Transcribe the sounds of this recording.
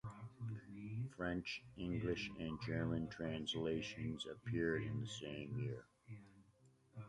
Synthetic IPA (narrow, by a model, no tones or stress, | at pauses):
fɹɛ̃nt͡ʃɪ̃ŋɡlɪʃɨ̃nd͡ʒɜ˞mɨ̃ntʰɹ̥æ̃nsleɪʃɨ̃nzɨ̰pʰɪɹɾɨ̃nðɨsẽɪ̃mjɪɹ